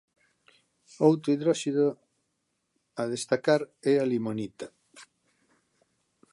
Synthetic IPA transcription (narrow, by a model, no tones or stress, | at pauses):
owt̪ɾoʊiðɾɔʃiðo | að̞est̪akaɾɛalimonit̪a